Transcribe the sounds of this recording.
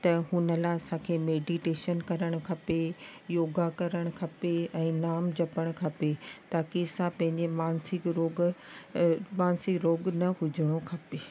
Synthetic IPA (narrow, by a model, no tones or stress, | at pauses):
t̪ɐɦʊnəlaɪɐsãkʰeːmeːɖiʈeːʃənkɐɾəɽ̃ʊ̆kʰɐpejoːɡakɐɾəɽ̃ʊkʰɐpeɛ̃ːnaːmd͡ʑɐpəɽ̃kʰɐpet̪aːkisãpɐ̃ɦɪ̃ɲd͡ʑemaːnsɪkɾoːɡ | maːnsɪkɾoːɡnɐɦʊd͡ʑʱɪɽ̃okʰɐpeː